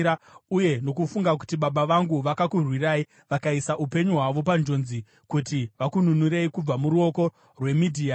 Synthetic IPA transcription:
auje̞no̞kufuŋɡak̬u̥tiɓaɓaʋaŋɡuʋakakurwirai | ʋakaisaʔupe̞ɲuɦwaʋo̞p̬and͡ʒo̞nzi | kutiʋakununuɾeikub͡vamuɾuo̞ko̞ | rwe̞midʱiːa

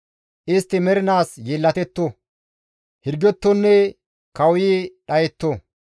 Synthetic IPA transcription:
ʔɪst̪ːɪmɛɾɪnaːsjeːlːɐt̪ɛt̪ːo | hɪɾɡɛt̪ːɔnːɛ | kɐwiːɗɐjɛt̪ːo

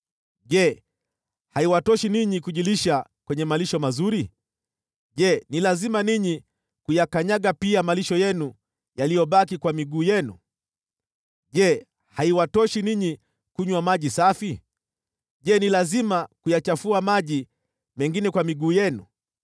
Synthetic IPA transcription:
ʄɛ | haiwatɔʃiniɲikuʄiliʃakwɛɲɛmaliʃɔmazuɾi | ʄɛnilazimaniɲi | kujakaɲaɠapiamaliʃɔjɛnu | jalijɔɓakikwamiɠuːjɛnṵ | ʄɛ | haiwatɔʃiniɲi | kuɲwamaʄisafi | ʄɛnilazimakujat͡ʃafuamaʄi | mɛŋɡinɛkwamiɠuːjɛnṵ

